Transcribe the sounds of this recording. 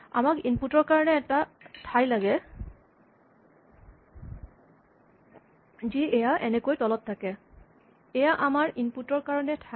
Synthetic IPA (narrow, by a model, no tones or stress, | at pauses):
a̰makinputɔɹkaɹɔnɛːtatʰajlaɡɛ | ziɛjaʔɛnɛkojtɔlɔtʰːakɛ | ɛjaʔamaɹʔinputɔɹkaɹɔnɛtʰa